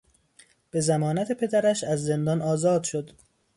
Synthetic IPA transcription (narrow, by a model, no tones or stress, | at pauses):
b̥e̞zæmɒːnæt̪ʰe̞pʰe̞d̪æɾæʃæzːend̪ɒːnɒːzɒːd̪ʃo̞d̪